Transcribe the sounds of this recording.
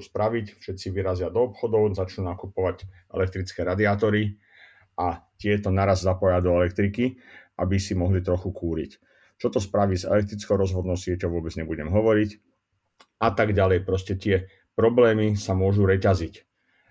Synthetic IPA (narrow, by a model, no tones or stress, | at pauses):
uspɾaʋicfʃɛt̪t͡siʋiɾazɪad̪ɔːpxɔd̪ɔʊzat͡ʃnunakupɔʋaɟ | ɛ̰lɛk̚t̪ɾit͡skɛːɾad̪iaːt̪ɔɾi | ʔat̪ɪɛt̪ɔnaɾazzapɔjad̪ɔɛlɛkt̪ɾikiʔa̰bisimɔɦlit̪ɾɔxukʰuːɾḭc | t͡ʃɔt̪ɔspɾaʋiːzɛ̰lɛk̚t̪ɾit͡skɔʊɾɔzɦʋɔd̪nɔʊsɪɛcɔʊʋʊɔbɛd͡zɲɛbuɟɛmɦɔʋɔɾic | at̪aɡɟalɛjpɾɔscɛt̪ɪɛ | pɾɔblɛːmisamʊɔʒuɾɛcazic